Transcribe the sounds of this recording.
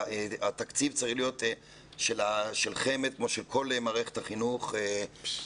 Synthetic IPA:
eat̪akt͡sivt͡saʁiχlijo̞t̪ | ʃelaʃelχemet̪̚kmo̞ʃelkʰo̞lemaːʁeχet̪haχinuχe

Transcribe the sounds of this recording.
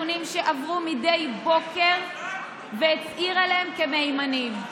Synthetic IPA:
unimʃe̞ʔavʁumidejbo̞ke̞ʁ | veːtʔiʁaleemkemejmanim

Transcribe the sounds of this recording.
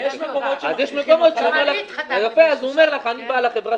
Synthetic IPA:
jeʃmekomoazjeʃmeko̞mot̪ʃeomeʁlaleɡapeazuomeʁlaχanibalaχebʁa

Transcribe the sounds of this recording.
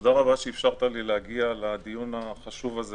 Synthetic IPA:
od̪aʁabaʃeːfʃaʁt̪alileaɡialad̪ijunaχaʃuvaze

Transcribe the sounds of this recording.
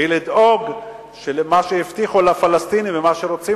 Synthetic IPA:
ilid̪oɡ | ʃelmaʃejift̪iχulafalast̪inivemaʃeɾot͡si

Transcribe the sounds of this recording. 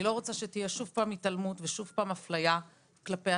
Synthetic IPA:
ilo̞ʁot͡saʃe̞tijeʃuvpaːmitalmutveʃuvpaːmaflaja | klape

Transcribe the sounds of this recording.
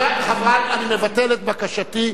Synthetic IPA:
ahavalanimevatelet̪̚bakaʃat̪i

